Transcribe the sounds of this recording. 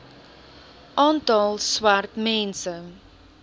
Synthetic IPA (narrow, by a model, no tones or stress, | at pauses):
ʔɑːntɑlˠswartmɛnsə